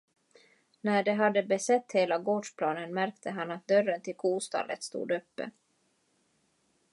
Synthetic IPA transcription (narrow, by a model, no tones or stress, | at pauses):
næɖɛɦad̪ːəbɛsɛt̪ːheːlaɡoːɖʂpʰlɑːnənmæɾkt̪ʰəɦanːat̪̚d̪œrːənt̪ʰɪlkʰuːst̪ɑ̰ːlə̰t̪st̪ṵːd̪ɵpːə̰